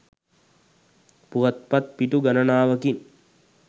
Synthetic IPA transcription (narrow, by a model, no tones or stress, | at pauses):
puʋɐt̪̚pɐt̪̚piʈuɡɐnɐnaːʋɐkin